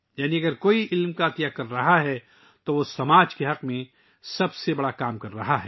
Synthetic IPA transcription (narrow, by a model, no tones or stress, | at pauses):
jaːniɐɡəɾkoːiʔɪlmkat̪ijakɐɾːɐɦaɦɛ | t̪oʋosɐmaːd͡ʒkeɦɐqmẽ | sɐbsebɐɽakaːmkɐɾːɐɦaɦɛː